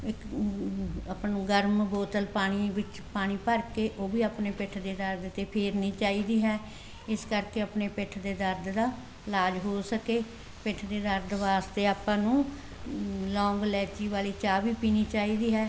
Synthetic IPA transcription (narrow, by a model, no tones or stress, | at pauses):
ɪk | əpnũːɡəɾmboːt̪əlpaːɽ̃iːʋɪt͡ʃ | paːɽ̃iːpəɾkeːʔoːʋiːaːpneːpɪʈʰd̪eːd̪əɾd̪t̪eːpʰeːɾnĩːt͡ʃaːiːd̪iːɦɛː | ɪskəɾkeːəpneːpɪʈʰd̪eːd̪əɾd̪d̪aː | laːd͡ʒɦoːsəkeː | pɪʈʰd̪eːd̪əɾd̪ʋaːst̪eːaːpãːnũː | lɔ̃ːŋɡlɛːt͡ʃiːʋaːliːt͡ʃaːʋiːpiːniːt͡ʃaːiːd̪iːɦɛː